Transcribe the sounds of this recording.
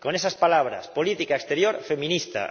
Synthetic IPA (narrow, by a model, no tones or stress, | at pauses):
konesaspalaβ̞ɾa̰spolit̪ikaekst̪eɾjoɾfemĩnist̪a̰